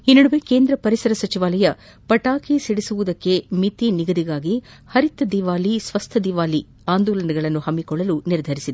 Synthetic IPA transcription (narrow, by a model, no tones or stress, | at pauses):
inːɐɽuʋeke̞ːnd̪ɾɐpɐɾisɐɾɐsɐt͡ʃiʋaːlɐjɐ | pɐʈaːkisiɽisuʋud̪ɐkːe̞mit̪iniɡɐd̪iɡaːɡi | hɐɾit̪ːɐd̪iʋaːlisʋɐst̪ʰɐd̪iʋaːli | aːnd̪uːlɐnɐɡɐɭɐnːuhɐmːikɔɭːɐluniɾd̪ʱɐɾisid̪e